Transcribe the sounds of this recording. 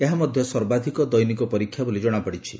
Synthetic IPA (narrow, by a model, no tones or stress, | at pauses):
eɦamɔd̪ʱjɔsɔɾbad̪ʱikɔd̪ɔjnikɔpɔɾikʰːjabulid͡ʒɔɽ̃apɔɽit͡ʃʰi